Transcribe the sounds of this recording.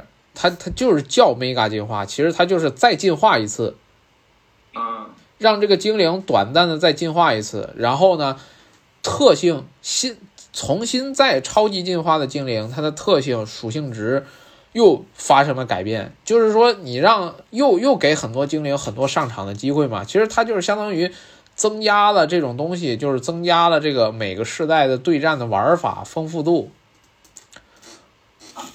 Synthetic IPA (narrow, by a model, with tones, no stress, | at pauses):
t̪ʰa˥t̪ʰa˥t͡ɕjo˥˧ʊʂɻ̩˥˧t͡ɕjɑ˥˩ʊme˥ɪka˥˧t͡ɕi˥˧nxwa̰˥˩t͡ɕʰi˧˥ʂɻ̩˧˥t̪ʰa˥t͡ɕjo˥˧ʊʂɻ̩˥˧t͡sa˥˧ɪt͡ɕi˥˧nxwa˥˩i˧˥t͡sʰɹ̩˥˩ | ɻɑ˥˧ŋʈ͡ʂɤ˥˩ɡə˩t͡ɕi˥ŋli˧˥ŋt̪wa̰˨˩nt̪a˥˩nd̪ə˩t͡sa˥˧ɪt͡ɕi˥˧nxwa˥˩i˧˥t͡sʰɹ̩̰˥˩ɻa˧˥nxo˥˩ʊnə˩ | t̪ʰɤ˥˧ɕi˥˩ŋɕi˥nt͡sʰʊ˧˥ŋɕi˥nt͡sa˥˩ɪʈ͡ʂʰɑ˥ʊt͡ɕi˥t͡ɕi˥˧nxwa˥˩d̪ə˩t͡ɕi˥ŋli˧˥ŋt̪ʰa˥d̪ə˨t̪ʰɤ˥˧ɕ̬i˥˩ŋʂu˨˩ɕi˥˩ŋʈ͡ʂɻ̩˧˥ | jo˥˩ʊfa˥ʂɤ˥ŋlə˧ka˨˩ɪpjɛ̰˥˩nt͡ɕjo˥˧ʊʂɻ̩˥˩ʂwɔ˥ni˨˩ɻɑ˥˩˧ŋjo˥˩˧ʊjo˥˩ʊke˧˥ɪxə˨˩nt̪wɔ˥t͡ɕi˥ŋli˧˥ŋxə˨˩nt̪wɔ˥ʂɑ˥˩ŋʈ͡ʂʰɑ̰˨˧˥ŋd̪ə˧t͡ɕi˥xwe˥˩ɪmɐ̰˩t͡ɕʰi˧˥ʂɻ̩˧˥t̪ʰa˥t͡ɕjo˥˧ʊʂɻ̩˥˩ɕjɑ˥ŋt̪ɑ˥ŋy˧˥ | t͡sɤ˥ŋt͡ɕja˥lə˨ʈ͡ʂɤ˥˩ʈ͡ʂʊ˨˩ŋt̪̬ʊ˥ŋɕ̬i˨t͡ɕjo˥˧ʊʂɻ̩˥˩t͡sɤ˥ŋt͡ɕja˥lə˨ʈ͡ʂɤ˥˩ɡə˩me˨˩ɪɡə˦ʂɻ̩˥˧t̪a˥˩ɪd̪ə˩t̪we˥˧ɪʈ͡ʂa˥˩nd̪ə˩wɐ̰˧˥fa̰˨˩fɤ˥ŋfu˥˧t̪u˥˩